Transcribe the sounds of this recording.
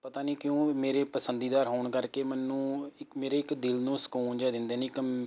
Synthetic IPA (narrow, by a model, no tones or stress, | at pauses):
pət̪aːniːkɪjõːmeːɾeːpəsənd̪iːd̪aːɾɦoːɳkəɾkeːmɛːnːũːɪmeːɾeːɪkd̪ɪlnũːsə̥kuːnd͡ʒɛːd̪ɪnd̪eːneːɪk